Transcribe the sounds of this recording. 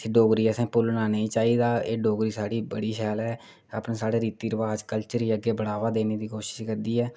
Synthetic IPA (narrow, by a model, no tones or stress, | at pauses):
iːɖoːɡɾiːɛsɛ̃ːpʊlnaːneĩːt͡ʃaːiːd̪aːeːɖoːɡɾiːsaːɽiːbəɽiːkʰɛːlɛː | a̰pnẽːsaːɽeːɾiːt̪iːɾəʋaːd͡ʒkəlt͡ʃəɾiːəɡeːbəɽaːʋaːd̪eːneːd̪iːkoːʃɪ̥ʃkəɾd̪iːɛː